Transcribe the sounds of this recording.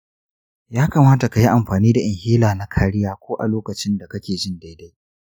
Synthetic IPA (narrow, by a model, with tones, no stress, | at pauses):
jaː˦kaː˨maː˦ta˨ka˨ji˦ʔa˨mɸaː˨niː˦da˨ʔɪ˨ŋhiː˦laː˨na˦kʰaː˨ɾɪ˦jaː˦kʷoː˦ʔa̰˨loː˦kɐ˨t͡ʃɪ˦nda˨kɐ˦kʲeː˨d͡ʒɪ˦nda˦jda˦j